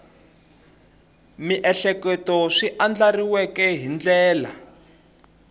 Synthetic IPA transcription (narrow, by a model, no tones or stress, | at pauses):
miʔɛɬɛkɛtɔʂiʔand͡ɮariwɛkɛɦind͡ɮɛːla̰